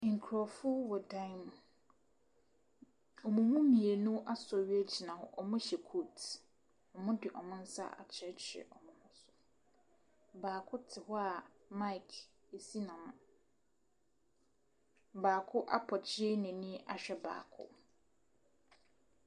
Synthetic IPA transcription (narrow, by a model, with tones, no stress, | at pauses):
ŋ̩˨kʰɾɔ˨fʊ˦wɔ˨dã˦˨m˨ | ɔ˨mũ˨mũ˦mĩ˨e˨nũ˦ʔa˦sɥi˦e˦t͡ɕʰi˨nã˨hʊ̰˦ʔɔ˨mʊ̃˦ɕɛ˨kʰu˦˨t | ɔ˨mʊ̃˦dɪ˨ʔɔ˨mʊ̃˦n̩˦sa̰˦a̰˨t͡ɕʰɛ˦t͡ɕʰɪ˨ɛ̰˨ʔɔ˨mʊ̃˦hʊ̃˦sʊ̥˨ | baː˨kʰʊ˦tʰɪ˨hɔ˦a˨ | ma˦ɪ˨kʰ | e˨si˦nã˨mʊ̃˨ | baː˨kʰʊ˦ʔa̰˦pʰɔ˨t͡ɕʰɪ˦ɛ˦nɛ̃˨nĩ˦a̰˨ɕᶣɛ˦ba̰ː˨kʰʊ̰˦